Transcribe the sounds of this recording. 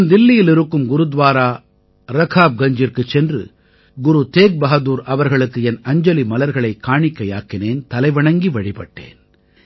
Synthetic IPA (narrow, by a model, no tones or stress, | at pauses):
nd̪ɪlːɪjɪlɪɾɯkːɯmɡʊɾɯd̪ʋaːɾaː | ɾɐkʰaːb̚ɡɐɲd͡ʒɪɾkɯt͡ʃːɛndrɯ̰ | ɡʊɾut̪eːk̚bɐɣɐðuːɾʔɐʋɐɾɣɐɭɯkːɯɛnɐɲd͡ʒɐlimɐlɐɾɣɐɭɐɪkːaːɳɪkːɐjaːkɪneːnt̪ɐlɐɪʋɐɳɐŋɡiʋɐɽipɐʈːḛːn